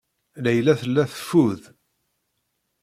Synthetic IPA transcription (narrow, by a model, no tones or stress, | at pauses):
læjlæθəlːæθə̥fːuð